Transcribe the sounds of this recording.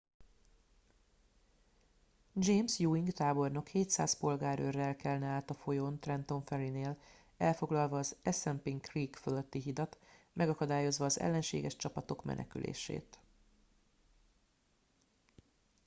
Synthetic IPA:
d͡ʒeːmsjuːiŋɡt̪aːbo̞rno̞kheːt̪sa̰ːspo̞lɡaːɾø̰rːɛlkɛlnɛaːt̪ɒfo̞jo̞nt̪rɛnt̪o̞ɱfɛɾineːl | ɛlfo̞ɡlɒlvɒːzɛsɛmpiŋkriːkfølø̞t̪ːiɦid̪ɒt̪mɛɡɒkɒd̪aːjo̞zʋɒːzɛ̰lːɛnʃḛːɡɛʃt͡ʃɒpɒt̪o̞kmɛ̰nɛ̰ky̰lʔḛːʃḛːt̪

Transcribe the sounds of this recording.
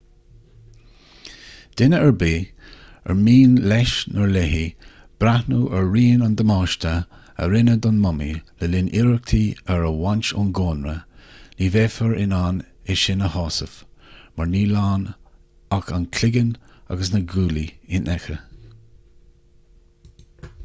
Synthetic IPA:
d̪̥ɪnəəɹbiː | ə̰ɹmiːnlɛʃnəɹlɛɦi | b̥ɾahnuːʔəɹːiːnand̪əmɑːʃt̪ʰə | ə̰ɾɪnəd̪ɔnmɔmiləlɪnʔɪɹək̚t̪ʰiəɹəwant͡ʃʊ̰nɡoːnɹəniːveːfəɹɪnanɪʃɪnəhɑːsəfmaɹniːlaːn | akankʰlɪɡəna̰ɡəsnəɡuːliɪnʔɛxə

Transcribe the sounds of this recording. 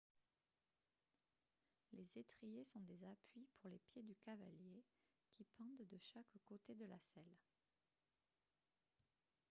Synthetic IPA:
lezet̪χijesɔ̃d̪ezapɥipʰuʁlepjed̪ykava̰lje | kʲipɑ̃d̪d̪əʃakkot̪ed̪əlasɛl

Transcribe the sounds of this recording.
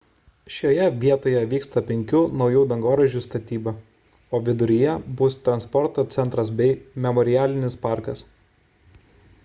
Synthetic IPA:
ʃʲoːjɛʋʲiɛt̪oːjɛʋʲiːkst̪ɐpʲɛŋʲkʲuːnɒʊjuːd̪ɐŋɡoːɾɐʒʲuːˑst̪ɐt̪ʲiːbɐ | oːʋʲɪd̪ʊɾʲɪjɛbʊst̪ɾɐnspɔɾt̪oːt̪sʲɛnt̪ɾɐs̬bʲɛɪmʲɛmɔɾʲɪjæːlʲɪnʲɪspɑˑɾkɐs

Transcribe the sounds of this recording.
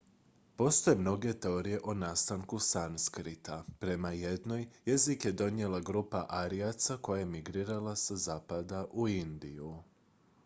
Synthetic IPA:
po̞st̪o̞jemno̞ɡe̞t̪eo̞ɾije̞ʔonast̪aŋkusanskɾit̪apɾe̞maje̞d̪no̞jje̞zikje̞d̪o̞nje̞laɡɾuːpaʔaɾiat̪sako̞jajemiɡɾiːɾalˠasazaːpad̪aʔuind̪iju

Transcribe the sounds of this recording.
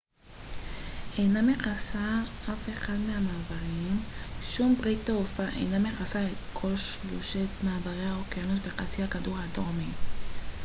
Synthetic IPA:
e̞jnameχasaʔafe̞χadmeamaːbaʁimʃumbʁit̪ːaufaʔḛjnameχasaetkʰo̞lʃluʃetmaːbaʁehaokeanut̪beχat͡siakaduʁadomi

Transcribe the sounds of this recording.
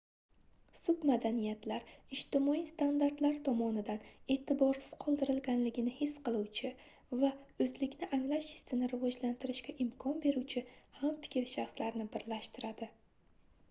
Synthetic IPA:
sʊbmad̪anijat̪laɾɪʃt̪ɪmɒist̪and̪aɾt̪laɾt̪ʰɒmɒnɪd̪ane̞ːt̪ʰɪbɒɾsɪz̥qʰɒlˠd̪ɪɾɪlɡʲanlɪɡʲɪnɪhɪsːqɨlˠuwt͡ʃʰɪ | vaɵzlɪkʲnɪʔaŋlaʃɪ̥sɪnɪɾɪvɒd͡ʒlant̪ʰɪɾɪʃkʲaʔɪmkʰɒnbe̞ɾuwt͡ʃʰɪhamfɪ̥kʲɾʃaχslaɾnɪbɪɾlaʃt̪ɪɾad̪ɪ

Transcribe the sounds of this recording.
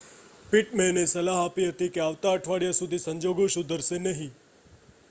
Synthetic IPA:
piʈmenesəlaɦapiɦət̪ikeaʋt̪aəʈʰʋaɽijasud̪ʱisəɲd͡ʒoɡõʃũd̪ʱəɾsenəɦĩ

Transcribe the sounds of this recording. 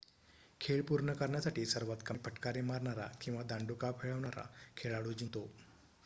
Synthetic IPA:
kʰeɭpuɾɳəkəɾɳjasaʈiːsəɾʋat̪kəpʰəʈkaɾemaɾɳaɾa̰kĩw̃ʋad̪ãɳɖukapʰeɭəʋɳaɾa̰kʰeɭaɽud͡ʑit̪o

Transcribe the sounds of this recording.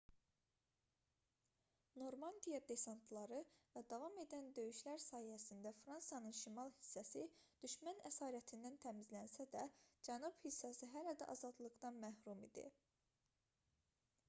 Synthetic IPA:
no̞ɾmɑnd̪ijɑd̪e̞sɑnt̪ʰlˠɑɾɯvæd̪ɑvɑme̞d̪ænd̪ø̞jyʃlæɾsɑːhijæsind̪æfɾɑnsijɑnɯnʃimɑlˠhi̥sːæsid̪̥yʃmænæsɑːɾæt̪ʰind̪ænt̪ʰæmizlænsæd̪æd͡ʒænub̥hisːæsiɦælæd̪æ̰ʔɑzɑd̪lˠɯɡd̪ɑnmæhɾumid̪ḭ

